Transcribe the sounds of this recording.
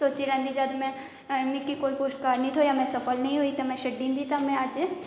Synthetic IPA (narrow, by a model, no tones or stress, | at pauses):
soːt͡ʃiɾɛ̃nd̪id͡ʒad̪mɛ̃ | mĩkikoːipʊʃʈkaːɾnĩt̪ʰojamɛ̃sɐfəlnɐɦĩɦoit̪omɛ̃ʃɐɖːĩːnd̪it̪amɛ̃aːd͡ʒe